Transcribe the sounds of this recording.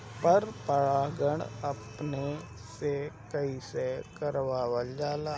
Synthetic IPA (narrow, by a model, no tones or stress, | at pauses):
pəɾpəɽaːɡəɳəpne | sekəisekəɾʋaːwəld͡ʒaːlaː